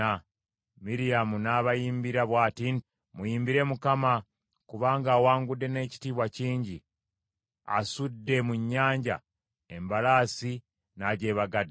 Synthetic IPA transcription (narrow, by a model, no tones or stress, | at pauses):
a | miɾijamunaːβajiːmbiɾaβwaːtin | mujiːmbiɾe̞mukama | kuβaːŋɡaːwaːŋɡudːe̞ne̞ːci̥tiːβwaciːɲɟi | a̰sudːe̞muɲːaːɲɟa̰ | embalaːsi | naɟe̞ːβaɡad